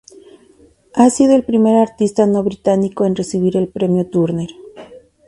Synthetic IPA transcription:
asiðoelpɾime̞ɾaɾt̪ist̪anoβɾit̪anikoenresiβ̞iɾe̞lpɾe̞mjot̪uɾneɾ

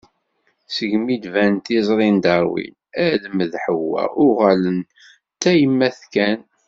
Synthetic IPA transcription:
səɡmid̪vænt̪izˤɾˤind̪ɑɾˤwḭn | æðəməðħəwːæ̰ʔʊʁælən | t̪ːæjəmːæθkæn

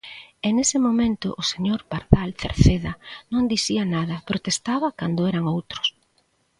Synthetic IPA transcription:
enesɪmomẽnt̪ʊ̰ʔːseɲoɾpaɾðalθḛɾθeðɐnõŋd̪iθiɐnaðɐpɾot̪est̪aβɐkand̪oɛɾɐŋowt̪ɾʊ̥s

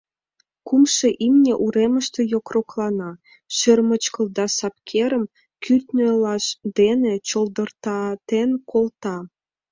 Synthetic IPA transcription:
kumʃeʔimnʲeʔuɾemə̆ʃt̪ĕjokroklɑnɑ | ʃø̆rmə̆t͡ɕkɤ̆ld̪ɑsɑp̚kʰeɾə̆m | kyt̪ʲnʲølɑʃd̪enet͡ɕɤld̪ɤ̆rt̪ɑt̪enkʰolt̪ɑ

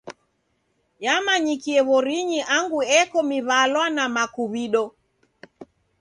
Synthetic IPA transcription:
jamaɲikiɛβɔɾiɲiʔaŋɡuɛkɔmiβalwanamakuβiɗɔ

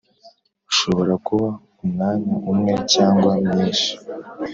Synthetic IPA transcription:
uʃo̞βo̞ɾakuβa | umnaːniʔumŋe̞caːŋɡwamɲiːnʃi̥

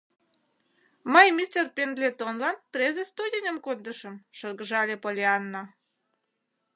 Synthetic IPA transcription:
məjmʲist̪erpʲend̪lʲet̪onlɑnprʲezest̪udʲenʲəmkond̪əʃə̆mʃərɣəʒɑlʲepolʲeɑnːɑ

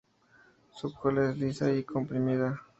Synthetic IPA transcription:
sup̚xolezd̪isaikʰompɾimiða

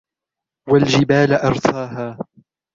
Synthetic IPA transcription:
wald͡ʒɪbaːlʔɑɾˤt̪ʰɑːɦaː

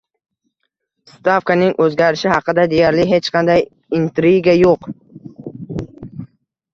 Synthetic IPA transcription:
st̪afkanɪŋʔɵzɡʲaɾɪʃɪhɑqʰɨd̪ad̪e̞jaɾlɪɦe̞t͡ʃqʰɑnd̪aj | ɪnt̪ɾiɡʲajoq

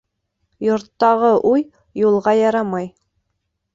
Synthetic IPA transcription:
jŏɾt̪ːɑʁɤʔuj | julˠʁɑjɑɾɑmɑj

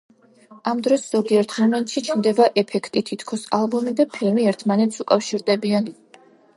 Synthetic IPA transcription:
amd̪ɾɔsz̥ɔɡiɛɾt̪ʰχɛnɔnʃit͡ʃʰmd̪ɛbaʔɛpʰɛkʰt̪ʼit̪ʰit̪ʰkʰɔsalˠbumid̪apʰilmiɛɾt̪ʰmanɛt̪sʰukʼafʃiɾd̪ɛbian

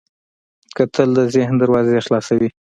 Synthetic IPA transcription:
kət̪ʰəld̪əzehnd̪əɾwɑzexlɑsawi

